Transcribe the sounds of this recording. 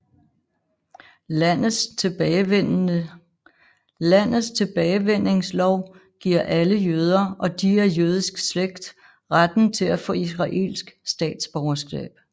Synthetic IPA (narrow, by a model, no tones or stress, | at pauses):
læn̰ð̩ˠst͡sʰe̝b̥ɛːɪʋen̰e̝ŋslɒʊ̰ɡ̥iɐ̰ʔæləjøːð̞ˠɐʔɒ̽d̥iæɐjøːð̞ˠisɡ̥sleɡ̥̚d̥ | ʁad̥n̩t͡sʰe̝læfɔ̰̽ːisʁɑ̈ʔe̝̰ːlsɡ̥sd̥ɛ̰ːd̥sb̥ɒʊɐsɡ̥ɛ̰ːb̥